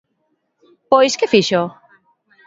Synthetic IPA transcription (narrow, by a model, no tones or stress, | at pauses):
pojskefiʃo